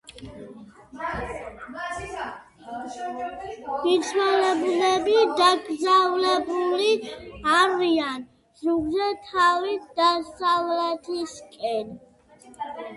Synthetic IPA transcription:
ɡ̥it̪sʰwɛlɛbulɛbid̪aɡɾzavlɛbuliaɾian | zuɡzɛt̪ʰavid̪asavlɛt̪ʰiskʼɛn

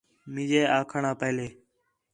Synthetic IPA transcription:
mɪ̃ːd͡ʒeːaːkʰəɳaːpɛːleː

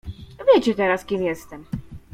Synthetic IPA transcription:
vʲjɛt͡ɕut̪ɛɾaskimjɛst̪ɛm

